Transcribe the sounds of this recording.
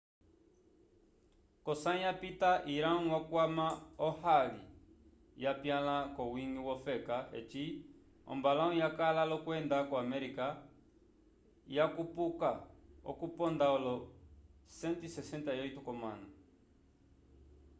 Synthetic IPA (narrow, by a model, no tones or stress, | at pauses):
kɔsajapitaʔiɾaŋ̩wakwamaɔhalḭ | japjalakɔwiŋɡiwɔfɛkaɛ̰t͡ʃi | ɔ̰mbalaũjakalalɔkwɛndakɔamɛɾika | jakupukaɔ̰kupɔndaɔlɔ | sɛntisɛsɛntajɔitukɔma̰na